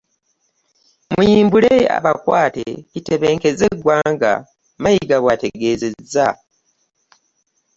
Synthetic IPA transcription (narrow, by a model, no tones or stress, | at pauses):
mujiːmbulea̰βakwaːtḛite̞βeːŋke̞zeɡwaːŋɡa̰ | majiɡaβwate̞ɡe̞ːze̞za